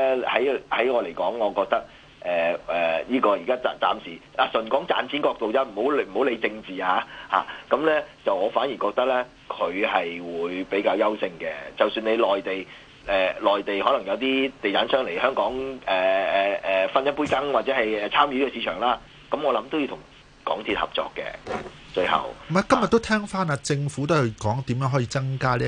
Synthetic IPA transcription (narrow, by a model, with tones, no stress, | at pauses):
ɛ˥hɐ˨˥jhɐ˨˥jŋɔː˨˧le˨˩jkɔː˨˥ŋːɔː˨˧kɔː˧k̚t̪ɐ˥k̚ | ʔɛː˨ʔɛː˨˩jiː˥kɔː˧ji˨kaː˥a˨t͡sa̰ː˨msiː˨˩laː˨˩sɵ˨˩nkɔː˨˥ŋt͡sa̰ː˧nt͡sʰiː˨˥nkɔː˧k̚t̪o˨wt͡saː˥m̩˨˩ho˨˥wlm̩˨˩o˨˥wle˨˧jt͡sɪ˧ŋt͡siː˨aː˧˦ha̰ː˨kɐ˨˥mlɛː˥t͡sɐ˨wŋɔː˨˧faː˨˥njiː˨˩kɔː˧k̚t̪ɐ˥k̚lɛ˥ | kʰɵ˨˧ɥɦɐ˨jwuː˨˧jpe˨˥jkaː˧wjɐ˥wsɪ˧ŋkɛ˧t͡sɐ˨wsyː˧ne˨˧jlɔː˨jt̪e˨˩j | ɛː˨lɔː˨jt̪e˨jhɔː˨˥lɐ˨˩ŋjɐ˨˧wt̪iː˥t̪e˨j̪a˨˥nsœː˥ŋle˨˩jɦœː˥ŋkɔː˨˥ŋɛː˨ɛ˨ɛ˨fɐ˥njɐ˥n̚puː˥jkɐ˥ŋwaː˨t̚t͡sɛː˨˥hɐ˨jɛː˨˧t͡sʰaː˥mjiː˨˧i˥ɛ˧siː˨˧˥t͡ʃʰœː˨˩ŋlaː˥ | kɐ˨˦˥mɔː˨˧lɐ˨˦mt̪o˥wji˧t̪ʰʊ˨˩ŋ | kɔ̰ː˨˥ŋt̪ʰi˧t̚hɐ̰˨˩p̚t͡ʃɔ̰ː˨˧kːɛ̰˧ | t͡ʃɵ˧hɐ̰˨˩wm̩˨m˨˦kɐ˥mjɐt̪ːo˥wt̪ʰɛː˥ŋfaː˥naː˧t͡sɪ˧ŋfuː˨˥t̪̬o˥hɐ˧kɔː˨˥ŋt̪iː˨˥mjœː˨˥ŋɦɔ˨˥jiː˧t͡sɐ˥ŋkaː˥liː˥